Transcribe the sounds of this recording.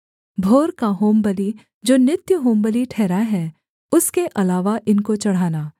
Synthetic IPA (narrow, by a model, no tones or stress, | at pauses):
bʱoːɾkaɦoːmbəli | d͡ʒoːnɪt̪jəɦoːmbəliʈʰɛːɾaɦɛː | ʊskeʔɐlaːʋaʔɪnkot͡ʃɐɽ̤aːnaː